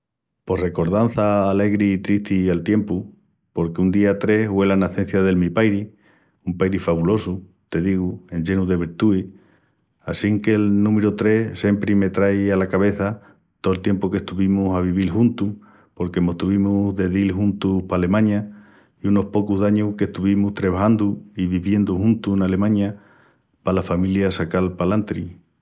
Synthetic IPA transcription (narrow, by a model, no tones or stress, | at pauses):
po̞hre̞ko̞ɾðanθaːle̞ɣɾiːt̪ɾiht̪ialt̪je̞mpu | po̞ɾkeund̪iat̪ɾe̞hwe̞lanaθe̞n̟θjaðe̞lmipajɾi | umpajɾifaβulo̞su | t̪e̞ðiɣue̞ɲʎe̞nuðe̞β̞iɾt̪ui | asiŋke̞lnũmeɾut̪ɾe̞hse̞mpɾime̞t̪ɾajalakaβe̞θa | t̪o̞elt̪je̞mpoke̞hst̪uβimusaβ̞iβ̞ilɦunt̪uh | po̞ɾke̞mo̞ht̪uβimuðe̞ðilɦunt̪uhpaːle̞mãɲa | iuno̞hpo̞kuðaɲuhke̞ht̪uβimuht̪ɾeβahand̪uiβiβje̞nd̪uhũnt̪unale̞mãɲa | palafamiljasakalpalant̪ɾi